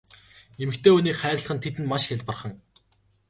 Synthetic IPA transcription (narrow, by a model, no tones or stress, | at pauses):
emɘ̆kt̪ʰeːuniːkχæːɾ̆ʲɮχə̆nt̪ʰet̪ɘ̆nmaʃxʲaɮʲt̪părχə̆ŋ